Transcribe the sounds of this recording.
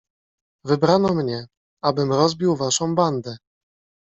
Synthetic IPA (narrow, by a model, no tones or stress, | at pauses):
vɘbɾanɔmɲɛ | abɘmɾɔzbʲiwvaʂɔ̃w̃band̪ɛ